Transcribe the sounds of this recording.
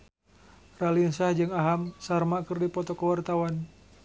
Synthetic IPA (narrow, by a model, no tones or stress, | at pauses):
ralinsahd͡ʒɨŋaɦamsarmakɨrdipɔt̪ɔkəwart̪awan